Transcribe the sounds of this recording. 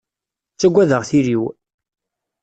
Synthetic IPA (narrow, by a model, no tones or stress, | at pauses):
t͡sːæɡʷːæðəʁθiɾiw